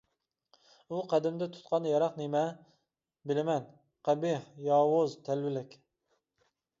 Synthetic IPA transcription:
uqʰæd̪ɪmd̪ɛt̪ʰu̥t̪qʰɑnjɑɾɑqnemɛ | bɪlɪmɛn | qæbihjɑːwʊzt̪ʰælwɪlɪkʲ

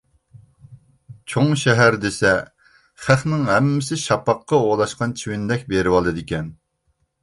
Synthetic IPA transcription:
t͡ʃʰoŋʃɛɦæɾd̪esɛ | χæχnɪŋɦɛmːɪsɪʃɑpɑqːɑolˠɑʃqɑnt͡ʃʰiwɪnd̪ɛkʲbeɾɪwɑlˠɨd̪ɪkʲɛn

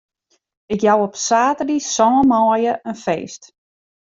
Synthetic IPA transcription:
ɪkjawɔpsaːtədisɔːmɔːjəʔənfeːst

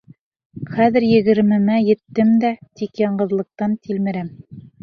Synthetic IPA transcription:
χæðɘ̆ɾjɘ̆ɡɘ̆ɾmɘ̆mæjɘ̆t̪ːɘmd̪æt̪ikjɑɴɢɤ̆ðlˠɤ̆q̚t̪ɑnt̪ʰilmɘ̆ɾæm

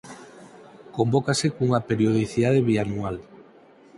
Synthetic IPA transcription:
kombokasekuŋapeɾjoð̞iθiðað̞eβianual

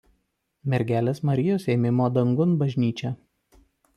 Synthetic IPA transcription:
mʲɛɾʲɡʲæːlʲeːsmɐɾʲɪjoːsɛːmʲɪmoːd̪ɐŋɡʊnbɐʒʲnʲiːt͡ʃʲɛ

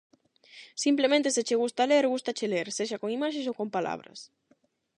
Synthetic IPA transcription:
simplemẽnt̪esɪt͡ʃɪɣust̪aleɾɣust̪at͡ʃeleɾseʃakoŋimaʃ̬ẽs̬okompala̰βɾɐ̰s

